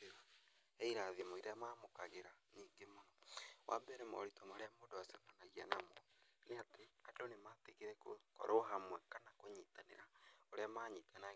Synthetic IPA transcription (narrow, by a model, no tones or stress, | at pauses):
ɛiɾaðimaiɾeamaːmokaɣeɾaniːŋɡemonɔwʔa̰bɛɾɛmɔ̰ɾitɔmaɾeamoːdoasɛmanaɣia̰namɔneatʰeadonemateɣeɾɛkokɔ̰ɾoɦamwɛkanakoɲiːtanḛɾaoɾeamaːɲitana